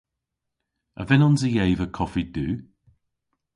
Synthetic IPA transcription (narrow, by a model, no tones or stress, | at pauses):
əvɛnɔnzəjejvəkʰɔfid̥ʉː